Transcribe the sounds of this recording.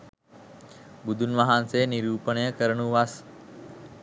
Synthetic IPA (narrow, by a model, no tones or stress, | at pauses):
bud̪ʱunʋaɦanseniɾuːpəɳəjəkəɾəɳuʋas